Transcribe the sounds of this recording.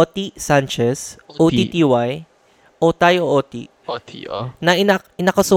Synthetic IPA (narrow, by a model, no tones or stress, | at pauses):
ot̪isant͡ʃɛsʔoit̪iwaj | ʔot̪ajoʔoːt̪ḭ | nɐʔɪnɐ | ɪnɐkɐsʊ